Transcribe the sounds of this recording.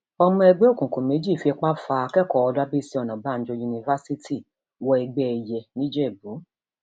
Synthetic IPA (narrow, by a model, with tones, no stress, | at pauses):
ɔ˧mɔ̃˧ɛ˧ɡ͡be˦o˦˨kũ˨kũ˨me˨˦d͡ʒi˦˨fi˧ɛ˧k͡pa˦fa˧a˧kɛ˦˨kɔ˧˨ɔ˧da˦bi˦si˦ɔ˧˨nã˨ba˨˦˨n̩˦d͡ʒo˧ju˧nĩ˧va˦si˦ti˦˨ | wɔ˧ɛ˧ɡ͡bɛ˧i˨jɛ˧nĩ˦d͡ʒe˦˨bu˨˦